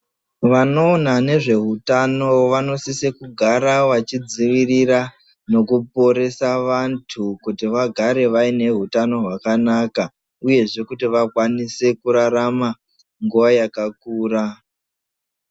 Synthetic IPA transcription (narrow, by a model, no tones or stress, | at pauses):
ʋano̞ːnane̞ʐe̞ɦutano̞ʋano̞sisekuɡʱaɾaʋat͡ʃid͡ziʋirira | no̞kupo̞ɾe̞saʋantʰukutiʋaɡʱaɾe̞ʋaine̞ɦutano̞ɦwakanaka | uje̞ʐe̞kutiʋakwanise̞kuɾaɾama | ŋɡuʋajakakuːɾa